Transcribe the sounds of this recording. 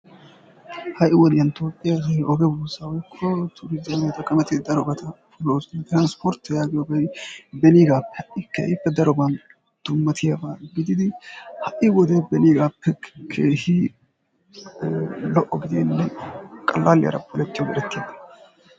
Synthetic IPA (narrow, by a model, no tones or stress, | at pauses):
hɐʔɪwɔd̪ɪjɐnt̪oːpʼːɪjahʔɔɡɛbuːsɐwɔjkʰːɔt̪ʰʊɾɪzɐmɛt̪ɐkːɐmɛt̪ɪd̪ɐɾɔbɐt̪ʰɐfʊloːst̪ɪɾanspɔɾt̪ːjaːɡɪjɔbɛbɛniɡaːpːɛ̥hɐʔɪkʰːḛːʔɪpːɛd̪ɐɾɔbɐn | d̪̥ʊmːɐt̪ʰɪjɐbɐɡɪd̪ɪd̪ɪhɐʔɪwɔd̪ebɛniːɡaːpːɛkʰeːhɪ | lɔʔɔɡɪd̪inːɛkʼɐlːaːlɪjɐ̰ɾɐ̰pʰːɔlɛt̪ːɪjɔwɔᶑɛt̪ːeːd̪ɐ